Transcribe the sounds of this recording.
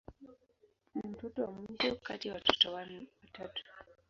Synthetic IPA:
nim̩tɔtɔwamwiʃɔkatijawatu̥tɔwatatu̥

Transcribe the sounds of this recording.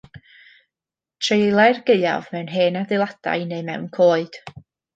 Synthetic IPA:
tʰrejlˠɛrɡeɨa̰vmɛwnɦeːnadɪlˠad̥a̰jnejmɛ̰wnkʰoːɨd̥

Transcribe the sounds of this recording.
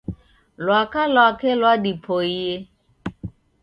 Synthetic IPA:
lwakalwakɛlwadipʰɔie

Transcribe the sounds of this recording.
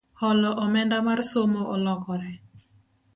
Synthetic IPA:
hɔlɔʔɔmɛndamarsomoʔɔlɔkɔɾɛ

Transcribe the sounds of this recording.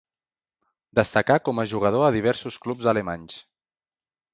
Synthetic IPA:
d̪əst̪əkakɔməʒuɣ̞əð̞oəðiβ̞ɛɾsusklupzəlemaɲs

